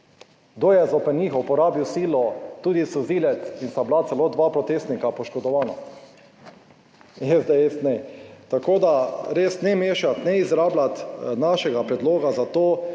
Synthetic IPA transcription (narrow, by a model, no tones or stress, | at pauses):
d̪ojɛzɔpɛniːxupɔɾaːbiwsiːlɔt̪uːd̪isuziːlɛt̪inst̪ablat̪sɛloːd̪ʋapɾɔt̪eːst̪nikapɔʃkɔd̪ɔʋaːna | ɛzd̪ɛest̪nɛt̪akoːd̪aɾeːsnɛmeːʃat̪nɛizɾaːblat̪naʃɛɡapɾɛd̪loːɡazat̪oː